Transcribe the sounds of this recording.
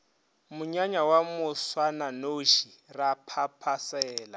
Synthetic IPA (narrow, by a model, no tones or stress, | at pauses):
mʊɲaɲawamʊswananoʃirapʰapʰasɛːla